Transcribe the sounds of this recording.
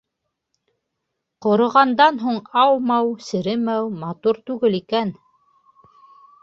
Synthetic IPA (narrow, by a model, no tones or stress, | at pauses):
qŏɾŏʁɑnd̪ɑnɦuɴɑwmɑwsɘ̆ɾɘmæwmɑt̪uɾt̪ʉɡɘlikæn